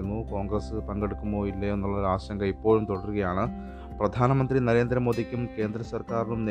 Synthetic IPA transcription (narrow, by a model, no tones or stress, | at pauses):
unːukoːŋɡɾɐsɨpɐŋɡe̞ɽukːumbo̞ːilːɐenːuɭːɐðaːɕɐŋɡɐipːo̞ːɻumt̪oɽɐruɣɐjaːɳɨ | prɐd̪ʱaːnɐmɐnd̪rinɐɾe̞ːnd̪ɾɐmo̞ːd̪ikʲːumke̞ːnd̪ɾɐsɐrkaːɾnumne